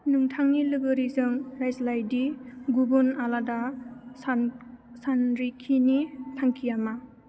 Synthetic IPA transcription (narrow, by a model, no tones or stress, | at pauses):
nɯŋtʰaŋnilɯɡɯɾizɯŋɾajslajdiɡubunaladas | sanɾikʰinitʰaŋkʰijama